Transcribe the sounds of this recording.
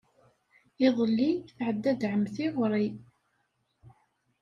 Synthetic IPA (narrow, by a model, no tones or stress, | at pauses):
ɪðˤlːiθʕəd̪ːæd̪ʕəmθiʁɾˤi